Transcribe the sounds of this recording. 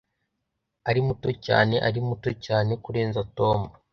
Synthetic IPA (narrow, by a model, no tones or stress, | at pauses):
aɾimuto̞ca̰ːne̞ʔaɾimuto̞caːne̞kuɾe̞ːnzato̞ːmu